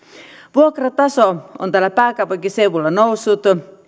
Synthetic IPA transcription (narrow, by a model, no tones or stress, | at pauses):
ʋuokrɑt̪ɑsoont̪ælːæpæːkɑupɑŋkiseuʋulːɑnousːut̪